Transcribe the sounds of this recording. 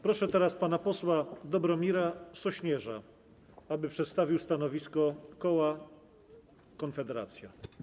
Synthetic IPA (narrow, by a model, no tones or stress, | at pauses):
pɾɔʂɛt̪ɛɾaspanapɔswad̪ɔbɾɔmʲiɾasɔɕɲɛʐa̰ | abɘpʂɛt̪st̪avʲiwst̪anɔvʲiskɔkɔwa | kɔnfɛd̪ɛɾa̰t̪sʲja